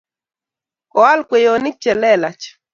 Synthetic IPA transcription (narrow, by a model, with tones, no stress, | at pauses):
kɔ˨a˦lkwe˨jo˨ni˦t͡ʃɛ˨lɛ˦˨la˨t͡ʃ